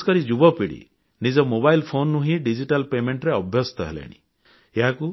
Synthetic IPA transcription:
kɔɾid͡ʒubɔpiɽḭ | nid͡ʒɔmobajlpʰonːuɦĩɖid͡ʒiʈalpemeɳʈɾeɔbʱjɔsɔ̥t̪ɔɦḛlḛɽ̃ḭ | eɦaku

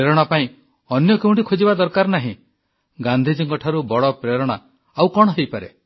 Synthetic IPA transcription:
eɾɔɽ̃apaĩ | ɔnjɔkeũɳʈikʰod͡ʒibad̪ɔɾkaɾnaɦḭ̃ | ɡand̪ʱid͡ʒiŋkɔʈʰaɾubɔɭɔpɾeɾɔɽ̃a | awkɔɽ̃ɔɦejpaɾe

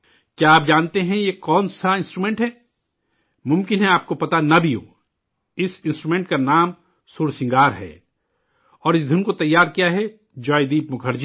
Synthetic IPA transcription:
kjaːp̚d͡ʒaːnt̪eɦɛ̃jekɔːnsaɪ̃nsʈɾumẽːɳʈɦɛː | mʊ̃mkɪnɦɛ̃aːp̚kopɐt̪anɐbʱiõ̰ː | ɪsɪ̃nsʈɾumẽːɳʈkanaːm | sʊːɾsɪ̃ŋɡaːɾɦɛ̰ː | ɔːɾɪsd̪ʱɪnkot̪ɐjːaːɾkijaɦɛ | d͡ʒaːjd̪iːpmʊkʰəɾd͡ʒi

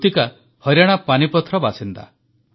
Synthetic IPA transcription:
t̪ika | hɔɾjaɽ̃apanipɔt̪ʰːɾɔbasint̪a̰

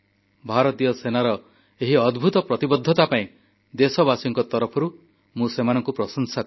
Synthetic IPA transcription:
bʱaɾɔt̪iɔsenaɾɔ | eɦiɔd̪bʱut̪ɔpɾɔt̪ibɔd̪ʱːɔt̪apaĩ | d̪esɔbasiŋkɔt̪ɔɾɔpʰɔɾu | mũsemanɔŋkupɾɔsɔnsak

